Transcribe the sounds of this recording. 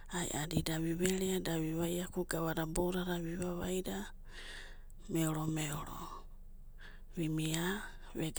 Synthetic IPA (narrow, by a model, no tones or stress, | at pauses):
aj̰ʔadidaβiβeɾeadaβiβajakuɡaβadabowɾaɾaβiβaβajda | meoɾomeoɾo̰ | βimia | βeɡ